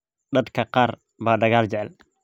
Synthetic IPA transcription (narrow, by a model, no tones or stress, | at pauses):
d̪ɐd̪kʰɐqɑːr | baːɖɐɣaːlt͡ʃɛʕɛl